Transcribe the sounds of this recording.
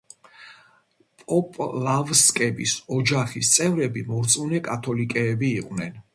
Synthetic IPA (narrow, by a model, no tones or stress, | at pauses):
pʼɔpʼlavskʼɛbḭsɔd͡ʒaχist̪sʼɛvɾɛbimɔɾt̪sʼunɛkʼat̪ʰɔlikʼɛːbiːqʼnɛn